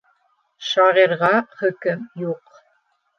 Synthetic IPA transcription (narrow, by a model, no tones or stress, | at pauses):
ʃɑʁiɾʁɑχɵ̆kɘmjuq